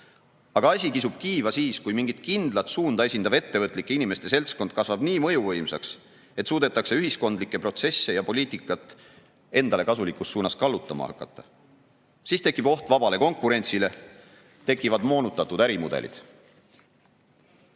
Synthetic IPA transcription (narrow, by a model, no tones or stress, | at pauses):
ɑɡ̥ɑɑsʲikisub̥kiːvɑsiːskujmiŋɡ̥it̪kind̪lɑt̪suːnd̪̥ɑe̞sʲind̪ɑve̞t̪ːe̞vɤt̪ːˑlikːˑeinime̞st̪e̞se̞lt̪sko̞nd̪̥̚kɑsvɑb̥niːmɤ̞juvɤ̞jmsɑ̰ks | et̪suːd̪et̪ːˑɑkse̞yɦisko̞nd̪̥likːˑe̞pro̞t̪se̞sːe̞jɑpo̞liːt̪ˑikːˑɑt̪ːˑ | e̞nd̪ɑle̞kɑsulikːˑust̪ːsuːnɑskɑlːut̪ːˑɑmɑ̰hɑ̰kːˑɑt̪ˑːɑ̥ | siːst̪e̞kːˑib̥o̞ht̪vɑbɑle̞ko̞ŋkˑuɾe̞nʲt̪sile̞ | t̪e̞kːˑivɑd̪mo̞ːnut̪ːˑɑt̪ːud̪æɾimud̪̥e̞̰lḭd̪̥